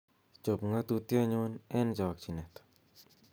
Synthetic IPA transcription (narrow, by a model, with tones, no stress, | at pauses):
t͡ʃo˨pŋa˦t̪u˧t̪jɔ˦ɲonɛ˦nd͡ʒɔ˨k̚t͡ʃi˨nɛ˨t̪